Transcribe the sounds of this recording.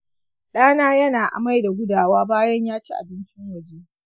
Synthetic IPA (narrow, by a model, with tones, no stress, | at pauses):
ɗaː˦naː˦jɐ˦naː˨ʔa̰˨ma˦jda˨ɡʷʊ˦daː˨waː˦baː˦jɐ˦ɲjaː˦t͡ʃe˦ʔa̰˨bɪ˦nt͡ʃɪ˦ŋwɐ˨d͡ʒeː˦